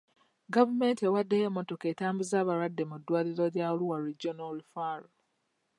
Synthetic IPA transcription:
ɡavume̞ntewadːejemːo̞to̞ke̞ːtaːmbuzaːβaɾwadːe̞mudːwaːliɾo̞ɾjaoluwaɾiɟːonaɾifaːɾo

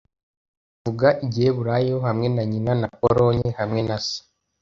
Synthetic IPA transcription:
vuɡaʔiɟihe̞βuɾajohamŋe̞naɲinanapoɾo̞ɲehamŋe̞nasi̥

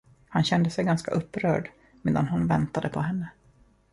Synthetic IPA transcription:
hanɕɛnd̪əsɛjɡanska̰ʔɵpːɾœ̰ːɖ | meːd̪anɦʊnvɛnt̪ad̪əpʰɔɦɛnːə

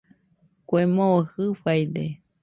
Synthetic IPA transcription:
kʷemõohɨɸajd̪e

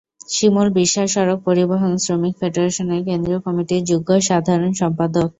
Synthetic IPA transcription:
ʃimolbiʃːaʃɔɾok̚poɾiboɦonsɾomikfeɖoɾeʃonekend̪ɾiokɔmiʈiɾd͡ʑuɡoʃad̪ʱaɾonʃɔmpad̪ok

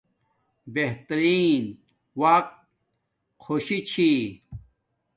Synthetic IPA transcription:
beht̪ɾiːn | wɐq̚t̪ | kʰoɕit͡ɕʰi

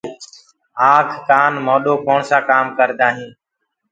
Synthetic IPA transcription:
aːkʰːaːnmoːɗoːkoːɳsaːkaːmkəɾd̪aːɦĩː

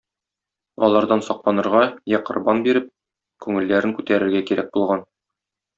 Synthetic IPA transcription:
ɒlˠɑɾd̪ɑnsɒq̚lˠɑnɤ̆ɾʁɑjæqɤ̆ɾbɑnbiɾɘp̚ | kʉŋɘ̆lːæɾɘŋkʉt̪æɾɘ̆ɾɡækiɾæk̚bulˠʁɑn

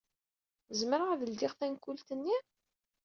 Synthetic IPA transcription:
zməɾəʁðəld̪ɪʁθænkːult̪ənːi

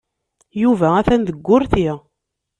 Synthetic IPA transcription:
juvææθænðəɡʷːʊɾθi

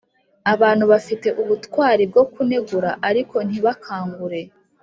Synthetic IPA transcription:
aβaːn̥huβafite̞ʔuβutwaːɾib̚ɡo̞kune̞ɡuɾaʔaɾiko̞n̥hiβakʰaːŋɡuɾe̞

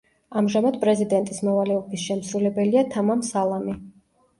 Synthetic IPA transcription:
amʒamad̪̚pʼɾɛzid̪ɛnt̪ʼismɔvalɛɔbisʃɛmsɾulɛbɛliat̪ʰamamsalˠami

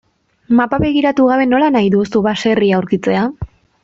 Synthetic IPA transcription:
mapaβe̞ɣiɾat̪uɣ̞aβe̞no̞lanajðusuβase̞riawɾkit͡se̞a

